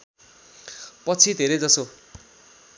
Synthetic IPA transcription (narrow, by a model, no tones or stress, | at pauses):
pʌt͡sʰid̪ʱeɾʌjd͡zʌso